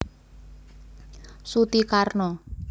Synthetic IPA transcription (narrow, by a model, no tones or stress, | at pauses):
sut̪ikarnɔ